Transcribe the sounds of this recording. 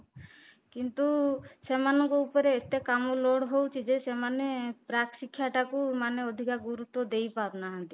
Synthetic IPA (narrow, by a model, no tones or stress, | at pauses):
kint̪usemanɔŋkɔupɔɾeːt̪ekamoloɽɦowt͡ʃʰid͡ʒesemanepɾaksikʰːjaʈakumaneɔd̪ʱikaɡuɾut̪wɔd̪ejpabnaɦãt̪i